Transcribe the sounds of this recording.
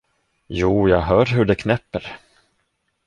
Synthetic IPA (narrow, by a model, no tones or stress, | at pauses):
juːjɑːɡɦœːɾɦɵɖɛkʰnɛpːəɾ